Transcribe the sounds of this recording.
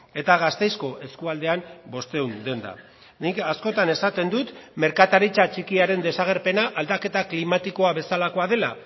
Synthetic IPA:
e̞t̪aɣ̞ast̪e̞jsko̞ʔe̞skuald̪e̞ambo̞st̪e̞und̪e̞nd̪a̰ | nikasko̞t̪ane̞sat̪e̞nd̪ut̪me̞ɾkat̪aɾit͡sat͡ʃikiaɾe̞nd̪e̞saɣ̞e̞ɾpe̞naʔald̪ake̞t̪aklimat̪iko̞aβe̞salako̞aðe̞la

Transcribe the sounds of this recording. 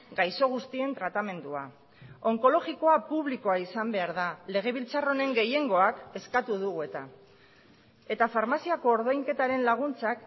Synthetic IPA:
ɡajso̞ɣ̞ust̪ie̞nt̪ɾat̪ame̞nd̪ua̰ | o̞ŋko̞lo̞ɣiko̞apuβ̞liko̞aisambe̞aɾðale̞ɣ̞e̞β̞ilt͡saro̞ne̞ŋɡe̞je̞ŋɡo̞ake̞skat̪uðuɣue̞t̪a | e̞t̪afaɾmasiako̞ːɾðojŋke̞t̪aɾe̞nlaɣ̞unt͡sak

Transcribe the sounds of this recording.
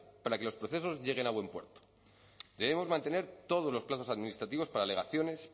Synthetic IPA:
paɾakelo̞spɾoθe̞s̬o̞zʝe̞ɣ̞e̞naβwe̞mpwe̞̰ɾt̪o̥ | d̪̥e̞βe̞mo̞zmãnt̪ene̞ɾt̪o̞ð̞ozlo̞splaθo̞saðminist̪ɾat̪iβ̞o̞spaɾale̞ɣaθjo̞ne̞s

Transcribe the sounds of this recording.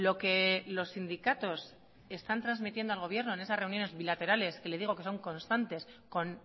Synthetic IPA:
lo̞ke̞lo̞sːind̪ikat̪o̞s | e̞st̪ant̪ɾanzmit̪je̞nd̪oalɣ̞o̞β̞je̞ɾno̞e̞ne̞sasre̞unjo̞ne̞zβilat̪e̞ɾale̞ske̞le̞ð̞iɣ̞okeso̞ŋko̞nst̪ant̪e̞sko̞n

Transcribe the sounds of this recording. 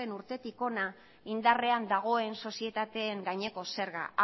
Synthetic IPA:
e̞nuɾt̪e̞t̪iko̞na | ind̪are̞and̪aɣ̞o̞e̞nso̞sie̞t̪at̪e̞ːŋɡajɲe̞ko̞se̞ɾɣa̰

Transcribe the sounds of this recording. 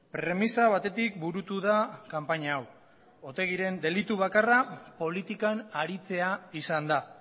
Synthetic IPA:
pɾe̞misaβ̞at̪e̞t̪ik̚buɾut̪uðakampaɲaːw | o̞t̪e̞ɣ̞iɾe̞nd̪e̞lit̪uβ̞akarapo̞lit̪ikanaɾit͡se̞aisand̪a

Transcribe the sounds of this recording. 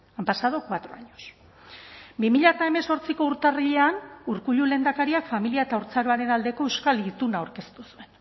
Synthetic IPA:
ampasaðokwat̪ɾo̞aɲos | bimiʎat̪ae̞me̞so̞ɾt͡siko̞uɾt̪ariʎe̞anuɾkuʎule̞ːnd̪akaɾiakfamiliae̞t̪auɾt͡saɾoaɾe̞nald̪e̞ko̞ewskalit̪unawɾke̞st̪usue̞n

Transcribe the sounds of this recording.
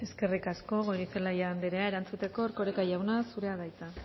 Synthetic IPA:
e̞ske̞rikasko̞ɣoɾifelajaːnd̪eɾeae̞ɾant͡sut̪e̞ko̞ːɾko̞ɾekajawnasuɾe̞aðajt͡s̪a

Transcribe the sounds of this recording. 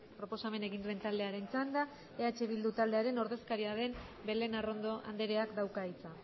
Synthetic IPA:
pɾo̞po̞same̞ne̞ɣ̞ind̪ue̞nt̪ald̪e̞aɾe̞nt͡sand̪a | eat͡ʃe̞β̞ild̪ut̪ald̪e̞aɾe̞no̞ɾðe̞skaɾiaðe̞mbe̞le̞naro̞nd̪oa̰nd̪e̞ɾe̞akd̪awkait͡sa

